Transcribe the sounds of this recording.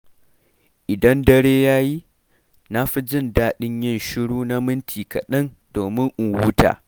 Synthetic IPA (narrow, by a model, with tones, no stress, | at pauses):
ʔɪ˨dɐ˦ndɐ˦ɽeː˦jaː˦ji˦ | na˦ɸi˦d͡ʒɪ˦˨ndaː˦ɗɪ˦ɲjɐɪ˦nʃɪ˦ɽuː˦na˦mɪ˦ntʰiː˨kɐ˨ɗɐ˦n | doː˨mɪ˦ŋʔʊ˨ŋwʊ˦ta̰ː˨